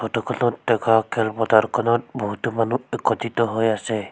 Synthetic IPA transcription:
pʰɔtɔkʰɔnɔtdɛkakʰɛlpɔtaɾkʰɔnɔt̚bɔɦut̪ɔmanuɛkɔtit̪ɔɦojasɛ

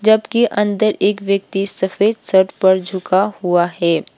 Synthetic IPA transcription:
d͡ʒɐbkeʔɐ̃nd̪əɾeːkʋjək̚t̪isɐfeːd̪səɾʈpɐɾd͡ʒʱʊkahuaɦɛː

